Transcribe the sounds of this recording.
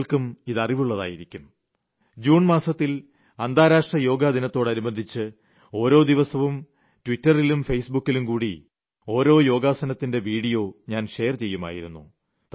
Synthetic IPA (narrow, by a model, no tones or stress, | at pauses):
ɭkumiðɐriʋuɭːɐða̰ːjiɾikʲːum | d͡ʑuːɳmaːsɐt̪ːil | ɐnd̪ʱaːɾaːʂrɐjo̞ːɡaːd̪inɐt̪ːo̞ːɽɐnibɐnd̪ʱit͡ɕːɨ | o̞ːɾo̞ːd̪iʋɐsɐʋum | tʋitːɐrilumfejsbukːilumkuːɽi | o̞ːɾo̞ːjo̞ːɡaːsɐnɐt̪ːinde̞ʋiːɽijo̞ːɲaːnʂe̞jɐrt͡ɕe̞jːuma̰ːjiɾunːṵ | t̪